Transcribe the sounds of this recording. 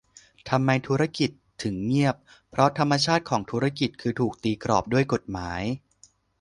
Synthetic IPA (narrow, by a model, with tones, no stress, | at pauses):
t̪ʰa˧mːa˧jt̪ʰuː˦˥ɾa˥˩ki˨˩t̪ʰːɯ˩˦ŋŋi˥˩əp̚ːʰ | ɾɔ˦˥t̪ʰa˧mːa˧t͡ɕʰaː˥˩t̪̚kʰɔː˩˦ŋt̪ʰuː˦˥ɾa˥ki˨˩t̪̚kʰɯː˧t̪ʰuː˨˩k̚t̪iː˧kɾɔ̰ː˨˩p̚du˥˩əjko˨˩t̪̚maː˩˦j